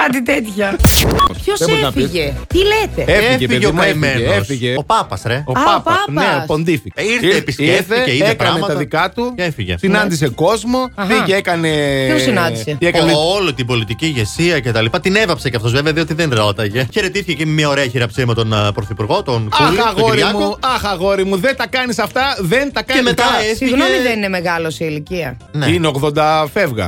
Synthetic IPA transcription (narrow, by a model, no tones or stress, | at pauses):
kɐt̪it̪et̪çɐ | çosbonɐfisʝet̪ilet̪eefiʝefiðʝeomɐimeneosfiʝeopɐpɐsɾeoɐɐpɐanespond̪ificiɾθepisefθeceiepɐɾɐnemɐt̪ɐðikɐt̪uefiʝe̞̰sinɐnd̪is̬eko̞zmo̞viekɐneosinɐnd̪iseekɐnolot̪ibo̞lit̪iciʝe̞siɐce̞t̪ɐlipɐt̪ine̞vɐpseceɐft̪o̞zve̞veɐðio̞t̪iðenɾo̞t̪ɐʝe̞çe̞ɾet̪isθiçecimemɲɐoɾeɐçiɾɐpsimɐt̪onpɾoθipuɾɣo̞t̪onkulaɣoɾimuoɐxɐɣoɾimuðent̪ɐkɐnisɐft̪ɐðent̪ɐkɐemet̪ɐefsiɣnomiðenineme̞ɣɐlosiiliciɐneineoɣðo̞nd̪ɐfevɣɐ̰